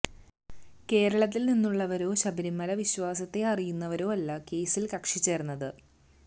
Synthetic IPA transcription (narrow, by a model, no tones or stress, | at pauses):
ke̞ːɾɐɭɐt̪̬ːilninːuɭːɐʋɐɾo̞ːɕɐbɐɾimːɐlɐʋiɕʋaːsɐt̪ːe̞ɐrijunːɐʋɐɾo̞ːɐlːɐke̞ːsilkɐkʂit͡ɕːe̞ːrunːɐðɨ